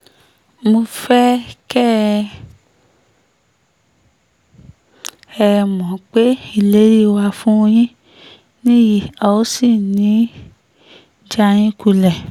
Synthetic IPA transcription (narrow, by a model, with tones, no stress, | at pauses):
mo˧fɛ˦kɛ˦ | ɛ˦˧˨mɔ̃˨k͡pe˦i˦˨le˨˦ɾi˦wa˧fũ˦o˧j̃ĩ˦ | nĩ˦ji˨a˨o˦si˦˨nĩ˨˦ | d͡ʒa˧j̃ĩ˦ku˧lɛ˨